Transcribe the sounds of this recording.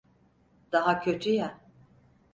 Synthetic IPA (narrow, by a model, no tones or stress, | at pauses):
d̪̥aɦacʰø̞t̪ʰyja